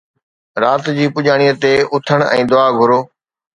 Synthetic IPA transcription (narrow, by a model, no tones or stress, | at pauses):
ɾaːt̪d͡ʑiːpʊʄaːɽ̃ijət̪eʊt̪ʰəɽ̃ɛ̰̃ːd̪ʊaːɡʱʊɾoː